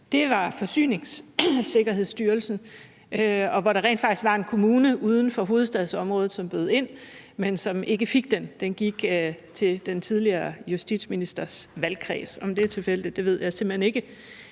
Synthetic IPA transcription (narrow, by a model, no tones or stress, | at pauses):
d̥e̝ʋɑ̈fɒ̽sy̰ːne̝ŋsse̝ɡ̥ɐɦe̝ð̰ˠsd̥yːɐlsn̩ | ɒ̽ʋɒɾɑ̈ʁɛ̰ːnd̥fɑ̈ɡ̥i̥sɡ̥ʋɑ̈e̝nkʰo̝muːnəʔuːð̞ˠn̩fɒ̽ɦo̝ːð̞̩ˠsd̥ɛðˠsɒ̽mʁɔ̽ːð̩ˠsɒ̽mb̥øːð̞̩ˠe̝n̰mensɒ̽mʔe̝ɡ̥əfiɡ̥̚d̥end̥enɡ̥iɡ̥t͡sʰe̝d̥ent͡sʰið̞ˠliɐːjusd̥id̥sminisd̥ɐsʋælkʰʁɛ̰ːsɒ̽md̥e̝æɐt͡sʰe̝lfel̰d̥id̥e̝ʋe̝ð̞ˠjɑ̈ɪsem̥l̥̩hene̝ɡ̥ə